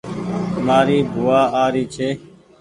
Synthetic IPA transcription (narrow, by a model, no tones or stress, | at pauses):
maːɾiːbʱʊːaːʔaːɾiːt͡ʃʰeː